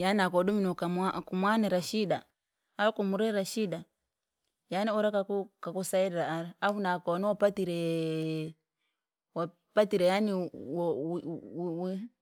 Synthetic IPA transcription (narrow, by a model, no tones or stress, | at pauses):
janakɔduminɔkamakumwanɛɾaʃidaː | ɾɔkɔmuɾɛɾaʃida | janɛɔɾakakukakɔsaɛɾɛɾaːɾaafunakɔnɔwapatiɾɛ | wa | patiɾɛjaniwɔ | wi